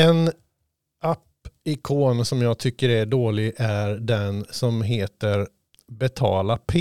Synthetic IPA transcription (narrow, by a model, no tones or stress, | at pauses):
ɛn | apː | ɪkʰoːnsɔmjɑːɡ̚t̪ʰʏkːəɾæɖoːlɪɡʔæɾɖ̪ɛnsɔmɦeːt̪əɾ | bɛt̪ʰɑ̰ːlapʰe